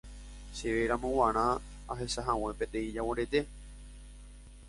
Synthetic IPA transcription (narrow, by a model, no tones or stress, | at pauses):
ʃeʋeɾãmõwãɾ̃ã | aɦe̞saɦãw̃ẽ̞pet̪ẽĩd͡ʒawõɾet̪e̞